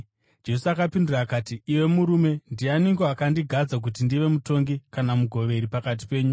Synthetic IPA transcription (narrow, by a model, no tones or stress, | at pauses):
d͡ʒe̞suakapinduraːkaːtiːʋe̞muɾume̞ndianiŋɡoakandiɡʱad͡zak̬ut̬indiʋe̞muto̞ŋɡikanamuɡʱo̞ʋe̞ɾipakat̬i̥pe̞ːɲu